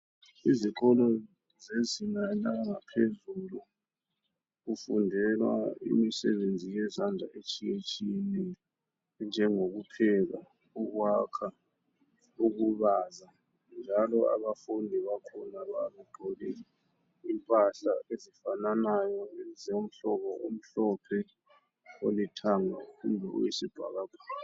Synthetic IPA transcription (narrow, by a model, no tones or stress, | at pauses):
iziǃɔlɔ | zezinanaŋapʰezulu | kufundʱɛlwa̰ḭmisɛɓend͡zʱijɛzand͡ɮʱa̰ʔet͡ʃʰʼijet͡ʃʰʼini | nd͡ʒʱɛŋok̬upʰɛk̬a̰ | uk̬wakʰa | uk̬uɓaːza | nd͡ʒʱalɔa̰ɓafundʱiβakʰɔnaɓaɓɛɡ͡ǃʱɔlɛ | impʼaɬaezifananajɔzom̩ɬɔɓɔum̩ɬɔpʰɛ | olitʰaŋaumbʱɛṵjisib̥ʱa̰k̬aɡ̥ʱwaː